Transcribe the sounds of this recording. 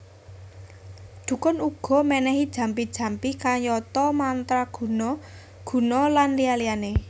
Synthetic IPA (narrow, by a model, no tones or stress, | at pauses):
d̪̥ṳkɔnuɡ̥ɔ̤mɛnɛɦid̥ʒ̥ä̤mpid̥ʒ̥ä̤mpikaɲɔt̪ɔmant̪ɾaɡ̥ṳnɔ | ɡ̥ṳnɔlanlialijane